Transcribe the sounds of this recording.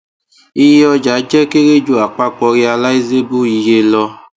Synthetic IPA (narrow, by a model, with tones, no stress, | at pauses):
i˦jɔ˦d͡ʒa˨˦d͡ʒɛ˦ke˦ɣe˦d͡ʒu˦a˨k͡pa˦k͡pɔ˧ɣi˦a˧la˦i˦ze˦bu˦i˨je˦lɔ˧